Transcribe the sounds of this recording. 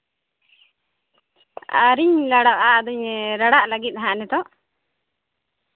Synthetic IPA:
a̰ɾiɲlaɽaʔaʔd̪uɲɾaɽaʔlaɡit̪̚ˀɦãʔnɛt̪ɔʔ

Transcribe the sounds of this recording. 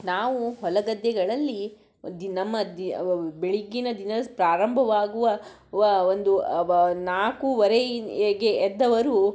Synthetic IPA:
naːʋuɦɔlɐɡɐd̪ːɛɡɐɭɐlːi | d̪nɐmːɐd̪ibeɭiɡːinɐd̪inɐspɾaːɾɐmbʱɐʋaːɡuʋɐ | ɐond̪unaːkuʋɐɾeɡe̞ːd̪ːɐʋɐɾu

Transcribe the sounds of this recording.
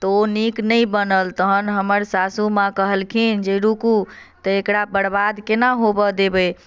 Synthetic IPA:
t̪ɔoniknəjbənəlt̪əɦənɦəməɾsasumakəɦəlkʰind͡ʒeɾukut̪əekɽabəɽbad̪kenaɦobəd̪ebəj

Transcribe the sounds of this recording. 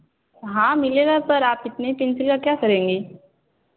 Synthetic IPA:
ɦãːmɪleːɡapɐɾaːpɪt̪nepɪnsɪlkakjaːkɐɾẽːŋɡeː

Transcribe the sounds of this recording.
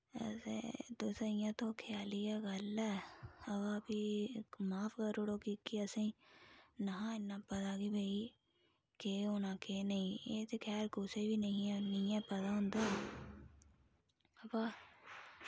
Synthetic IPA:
sḛd̪osaɪjãːt̪õːkʰɪjaːlijaːɡəlɛːəbaːpiːmaːpʰkəɾoɽoːkikiəsĩːnəɦãːɪnːãːpət̪aːɡiːbʱəiː | keːonãːkeːnəĩːeːt̪eːkʰɛːɾkʊseːbiːnəĩːɛnɪjãːpət̪aːɦʊ̃nd̪aː | əpaː

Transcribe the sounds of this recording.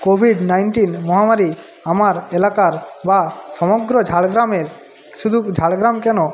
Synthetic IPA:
kobʱiɖnajɳʈinmɔɦamaɾi | amaɾelakaɾbasɔmɔɡɾɔd͡ʒʱaɭɡɾameɾ | ʃud̪ʱud͡ʒʱaɭɡɾamkɛno

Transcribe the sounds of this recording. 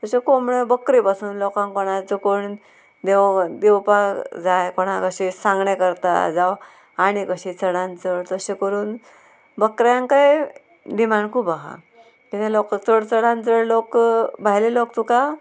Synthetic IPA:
t̪əsekomɳebəkɾipasuːnlɔkãŋkɔɽ̃at͡sukoɳ | d̪ed̪ewpad͡zajkɔɽ̃akəɕisãŋɡɳekəɾt̪a̰d͡zaw | aɽ̃ikəɕit͡səɽãnt͡səɭt̪əsekəɾuːn | bəkɾjãŋkaj | d̪imankʰuːpaɦa̰ | kit̪ẽlokt͡səɽt͡səɽãnt͡səɽlokbʱajlelokt̪uka

